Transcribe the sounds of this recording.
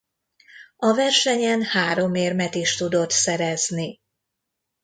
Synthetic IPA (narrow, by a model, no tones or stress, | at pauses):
ɒvɛrʃɛɲɛnhaːɾo̞meːrmɛt̪iʃt̪ud̪o̞t̪sɛɾɛzni